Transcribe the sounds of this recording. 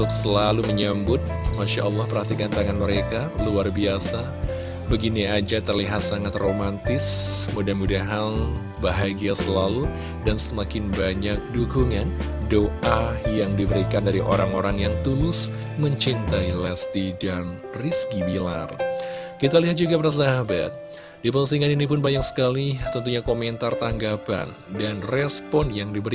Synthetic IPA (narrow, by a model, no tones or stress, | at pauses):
ʊk̚səlaluməɲambʊt̪̚maʃaʔɑlːɑhpərhat̪ikant̪aŋanməɾekaluarbiasa | bəɡiniad͡ʒat̪ərliɦat̪̚saŋat̪romant̪ɪsmudahmudaɦan | baɦaɡiasəlalu | dansəmakɪnbaɲak̚duɡuŋan | doʔajaŋdibəɾikandaɾiʔo̰ɾaŋoɾaŋjaŋt̪ulʊs | məɲt͡ʃint̪ailast̪idan | riskibila̰rkit̪aliɦat̪̚d͡ʒuɡapɾas̬daɦaba̰t̪̚ | dipəusiŋaninip̬ʊnbaɲaksə̥kalit̪ənt̪̬uɲakomɛnt̪art̪aŋɡapa̰n | danrɛspɔnjaŋdibəɾi